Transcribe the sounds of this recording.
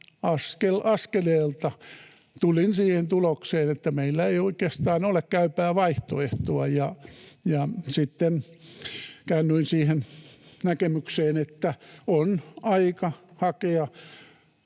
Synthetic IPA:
ɑskelɑskeleːlt̪ɑ | t̪ulinsiːhent̪ulokseːnet̪ːæmeilːæeioikest̪ɑːnolekkæypæːʋɑiht̪oeht̪oɑjɑjɑsit̪ːen | kæːnːyinsiːhennækemykseːnet̪ːæonɑikɑhɑkeɑ

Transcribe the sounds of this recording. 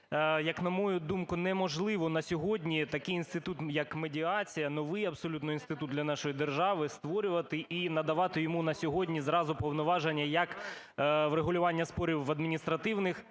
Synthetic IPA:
jɐknɐmɔjud̪umkʊnɛmɔʒlˠɪʋɔnɐsʲɔɦɔdʲnʲit̪ɐkɪjinst̪ɪt̪ut̪jɐkmedʲiɑt͡sʲijɐnɔʋɪjɐbsɔlʲut̪nɔinst̪ɪt̪ud̪d̪lʲɐnɑʃɔjid̪erʒɑʋɪst̪ʋɔɾʲʊʋɐt̪ɪʔinɐd̪ɐʋɑt̪ɪjɔmunɐsʲɔɦɔdʲnʲizrɑzʊpɔwnɔʋɑʒenʲːɐjɐk | wɾeɦʊlʲʊʋɑnʲːɐspɔɾʲiwːɐd̪mʲinʲist̪ɾɐt̪ɪwnɪx

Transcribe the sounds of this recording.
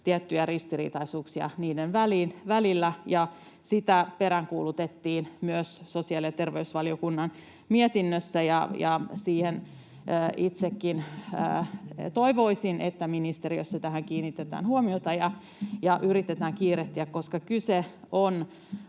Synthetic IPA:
t̪iæt̪ːyjærist̪irḭːt̪ɑisuːksiɑ̰niːdenʋæliːnʋælilːæjɑ | sit̪æpeɾæŋkuːlut̪et̪ːiːnmyøsːosiɑljɑt̪erʋeysʋɑlijokunːɑn | miet̪inːøsːæjɑjɑsiːhenː | it̪sekːinə̰ːt̪oiʋoisinʔḛt̪ːæminist̪eriø̰sːɑt̪æhæŋkiːnit̪ːet̪æ̰ːnhuomiot̪ɑjɑ | jɑʔyrit̪ːet̪æːŋkiːret̪ːiækkoskɑkyseon

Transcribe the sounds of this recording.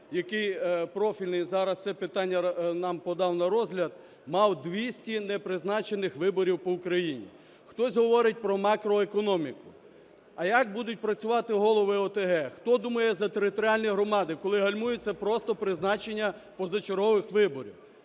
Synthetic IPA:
jɐkɪjpɾɔfʲilʲnɪjzɑɾɐst̪sɛpɪt̪ɑnʲːɐnɑmpɔd̪ɑwnɐɾɔzʲɦlʲɐd̪ | mɑwd̪ʋʲisʲtʲinɛpɾɪznɑt͡ʃe̞nɪxʋɪbɔɾʲiwpɔukɾɐjinʲḭ | xt̪ɔzʲɦɔʋɔɾɪt̚ʲpɾɔmɑkɾɔekɔnɔmʲikʊ | ɐjak̚bud̪ʊt̚ʲpɾɐt͡sʲʊʋɑt̪ɪɦɔlˠɔʋɪɔt̪eɦɛxt̪ɔd̪umɐjɛzɐt̪eɾɪt̪ɔɾʲialʲnʲijɦɾɔmɑd̪ɪkɔlˠɪɦɐlʲmujʊt͡sʲːɐpɾɔst̪ɔpɾɪznɑt͡ʃenʲːɐ | pɔzɐt͡ʃeɾɦɔʋɪxʋɪbɔɾʲḭw

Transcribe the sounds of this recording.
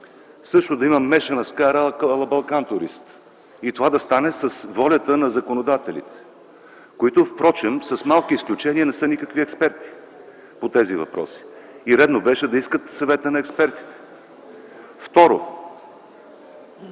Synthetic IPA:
sɤʃt̪ʊd̪ɐimɐmːɛʃɐnɐskaɾəlˠɐbɐlˠkant̪ʊɾḭst̪ | it̪ovad̪ɐst̪anɛsɐsvɔlʲət̪ənɐzɐkonod̪at̪ɛlʲḭt̪ɛ̥ | koit̪ofpɾɔt͡ʃɛmsɐsmalˠkiisklʲut͡ʃɛniənɛsənikəkviɛkspɛɾt̪i̥ | pot̪ɛzivɐ̰pɾɔ̰si̥iɾɛd̪nobɛʃɛd̪ɐiskət̪sɐvɛt̪ənɐɛkspɛɾt̪i̥t̪ɛ̥ | ft̪ɔɾo̰

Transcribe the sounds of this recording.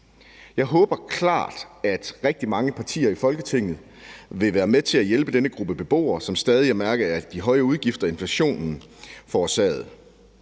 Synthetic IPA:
jɑ̈ɪɦɔ̽ːb̥ɐkʰlɑ̰̈ːd̥æd̥ʁɛɡ̥̚d̥imɑ̈ŋəpʰɑ̈t͡sʰḭːɐifɒ̽lɡ̥ət͡sʰe̝ŋ̰ð̞̩ˠ | ʋe̝ʋæːɐmet͡sʰe̝æjelb̥əd̥enəɡ̥ʁub̥əb̥e̝b̥o̝̰ːɐsɒ̽msd̥ɛːð̞ˠiæmæɐɡ̥ɐæɐd̥iɦɒ̽ɪəuð̞ˠɡ̥ifd̥ɐe̝nflæɕo̝̰ːnn̩ | fɒːsɛ̰ːð̞̩ˠ

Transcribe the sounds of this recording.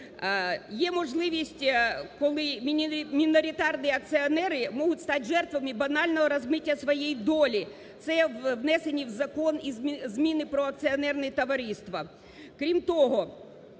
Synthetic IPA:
jɛmɔʒlˠɪʋʲisʲtʲkɔlˠɪmʲmʲinɔɾʲit̪ɑrnɨɐk̚t̪sɪɔnɛɾɪmɔɦʊtʲst̪ɑtʲʒɛrt̪ʋɐmɪbɐnɑlʲnɔɦɔɾɐzmɪtʲːɐsʋɔjejd̪ɔlʲi | t̪sɛʋʋnɛsenʲːiwzɐkɔnizzmʲinɪpɾɔɐk̚sɨɐnɛrnɛt̪ɐʋɐɾʲist̪ʋɐ | kɾʲimt̪ɔɦɔ

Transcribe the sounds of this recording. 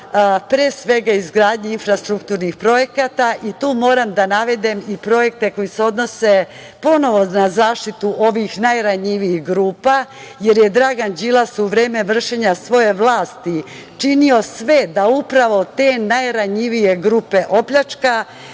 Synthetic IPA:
pɾesʋe̞ɡaizɡɾaːd̪ɲeinfɾast̪ɾukt̪uːɾnixpɾo̞je̞kat̪aʔit̪uːmo̞ːɾamd̪anaʋe̞d̪emipɾo̞je̞k̚t̪e̞ko̞jiseo̞d̪no̞se | po̞no̞ʋo̞nazaːʃt̪it̪uʔo̞ʋixnajɾaɲiʋiixɡɾuːpa | je̞ɾje̞d̪ɾaɡand͡ʑilasuʋɾeːme̞ʋr̩ʃeɲasʋo̞je̞ʋlˠaːst̪i | t͡ʂinio̞sʋe̞d̪aupɾaʋo̞t̪e̞ːnajɾaɲiʋije̞ɡɾuːpe̞ʔo̞pʎat͡ʂka

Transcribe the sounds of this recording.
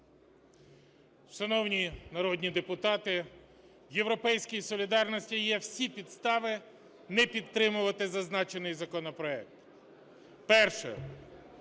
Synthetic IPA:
ʃɐnɔwnʲinɐɾɔd̪ʲnʲid̪epʊt̪ɑt̪ɪ | jewɾɔpɛjsʲkijisɔlʲid̪ɑrnɔsʲtʲijɛwsʲipʲid̪st̪ɑʋɪ | nɛpʲid̪̚t̪ɾɪmʊʋɐt̪ɪzɐznɑt͡ʃenɪjzɐkɔnɔpɾɔɛk̚t̪ | pɛrʃɛ̰

